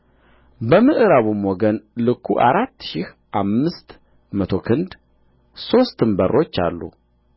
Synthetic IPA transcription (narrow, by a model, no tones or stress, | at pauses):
bəmɨʔɨɾaβumwɔɡənlɨkʰːṵʔa̰ɾat̪ːʃih | ʔamːɨst̪ | mət̪ʰo̞kʰɨnd̪ | so̞st̪ʰɨmbə̰rːo̞t͡ʃːa̰lːṵ